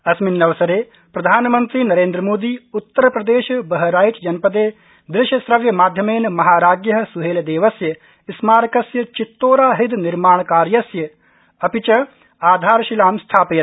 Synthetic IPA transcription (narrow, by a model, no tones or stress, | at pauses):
ɐsminːɐʋɐsɐɾeː | pɾɐd̪ʱaːnmɐnt̪ɾiːnɐɾeːnd̪ɾəmoːd̪iːut̪ːɐɾɐpɾɐd̪eːʃbɐɦɐɾaːjt͡ʃd͡ʒɐnpɐd̪eː | d̪ɾɪʃjɐsɾɐʋjɐmaːd̪ʱjɐmeːnmɐɦaːɾaːɡjɐɦɐ̆suɦeːld̪eːʋɐsjɐ | ɪsmaːɾkɐsjɐt͡ʃit̪ːoːɾaːɦid̪niɾmaːɳkaːɾjɐsjɐ | ɐpit͡ʃɐ | aːd̪ʱaːɾʃilaːmst̪ʰaːpjɐt̪